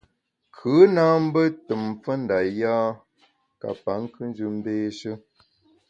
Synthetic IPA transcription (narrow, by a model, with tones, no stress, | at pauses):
kʰʉ˨˦naː˦m̩˦bə˦tə˨mp͡fə˦n̩da˨jaː˦ | ka̰˨pa˨˦ŋ˦kɨ˦n˦d͡ʒʉ˦m̩˦beː˦ʃə˦